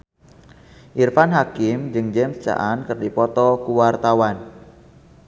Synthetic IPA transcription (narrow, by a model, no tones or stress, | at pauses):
ʔirfanɦakɪmd͡ʒɨŋd͡ʒɛmst͡ʃa̰ʔankərdipɔt̪ɔkuwart̪awan